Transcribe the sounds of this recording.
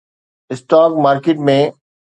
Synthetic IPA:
ɪsʈaːk̚maːɾkeʈ̚mẽ

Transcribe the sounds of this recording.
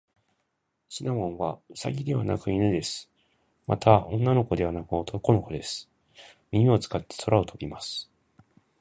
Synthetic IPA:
ɕinamõ̞ɰ̃βasa̰ɡʲid̪e̞βana̰kɯ̟inɯ̟d̪e̞sɨ̥ | ma̰t̪ʰaõ̞nːano̞ko̞d̪e̞β̞anakɯ̟o̞t̪oko̞no̞ko̞d̪e̞sɨ̥ | mʲimʲio̞t͡sɨ̥kat̪ːe̞̥so̞ɾaot̪ʰo̞bʲimasɨ̥

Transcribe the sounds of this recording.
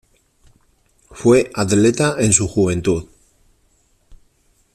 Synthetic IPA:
fwe̞ʔaðlet̪aʔensuxuβ̞e̞nt̪uð

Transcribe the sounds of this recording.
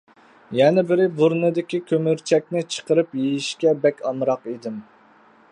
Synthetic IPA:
jɛnɪbɪɾɪbuɾnɨd̪ɪkʲikʲʰømyɾt͡ʃʰɛk̚ʲnɪt͡ʃʰə̥qəɾɨpjejiʃkʲɛbɛkʲɑmɾɑqid̪ɪm

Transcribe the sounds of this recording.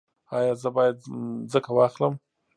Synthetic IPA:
ɑjɑzəbɑjad̪zəkawɑxləm

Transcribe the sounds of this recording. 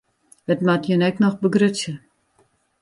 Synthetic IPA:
ətmatjənɛknɔxbəɡrøtsjə

